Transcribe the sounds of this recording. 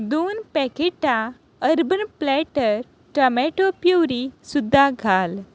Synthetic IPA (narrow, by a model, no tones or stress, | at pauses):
d̪uːnpɛkeʈa | əɾbənplɛʈəɾ | ʈəmɛʈopjuwɾisud̪ʱːaɡʱal